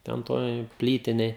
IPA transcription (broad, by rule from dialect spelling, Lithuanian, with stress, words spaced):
ˈtʲɛn ˈtoːj ˈpʲlʲiːtʲɪnʲeːj